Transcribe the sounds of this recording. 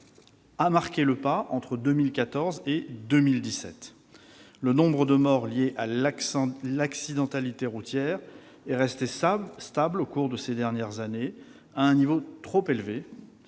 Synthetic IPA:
amaʁkʲeləpaʔɑ̃t̪χəd̪ømilkat̪ɔʁzed̪ømild̪isɛ̰t̪ | lənɔ̃bʁəd̪əmɔʁljeʔal | laksid̪ɑ̃t̪alit̪eʁut̪jɛʁ | ɛʁɛst̪est̪ablokuʁd̪əsed̪ɛʁnjɛʁzane | aɛ̃nivot̪χopelve

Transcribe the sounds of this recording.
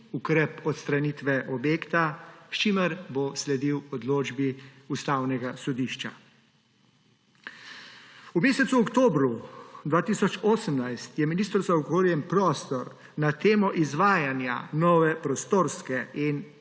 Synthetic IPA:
ukɾɛpɔt̪st̪ɾanit̪ʋɛʔɔbjeːkt̪aʃt͡ʃiːməɾboslɛd̪iwɔd̪loːd͡ʒbi | ust̪aːwnɛɡasɔd̪iʃt͡ʃa̰ | umeːsɛt̪suɔkt̪oːbɾud̪ʋaːt̪isɔt͡ʃoːsəmnajst̪jɛminiːst̪əɾzaɔɡoːɾjɛmpɾɔːst̪ɔɾ | nat̪eːmɔʔizʋaːjanja̰nɔːʋɛpɾɔst̪oːɾskɛin

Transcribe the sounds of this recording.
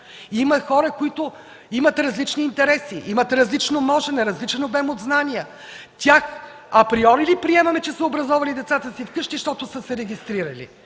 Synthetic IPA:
imɐxɔɾəkoit̪ʊ | imɐt̪ɾɐzlit͡ʃniːnt̪ɛɾɛsiʔimɐt̪ɾɐzlit͡ʃnomɔʒɛnɛɾɐzlit͡ʃɛnobɛmod̪znaniə | t̪ʲax | ɐpɾiɔɾilipɾiɛmɐmɛt͡ʃɛsmɛobɾɐzɔvɐlid̪ɛt̪sat̪əsifkɤʃt̪iʃt̪ɔt̪ʊsəsɛɾɛɡʲist̪ɾiɾəlḭ

